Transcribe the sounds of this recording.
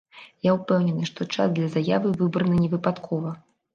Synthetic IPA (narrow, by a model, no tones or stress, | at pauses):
jaupɛwnʲɛnɨʂt̪ɔt͡ʂa̰zd̪lʲɐzaja̰vɨvɨbɾɐnɨnʲɛvɨpat̪kʰɔvɐ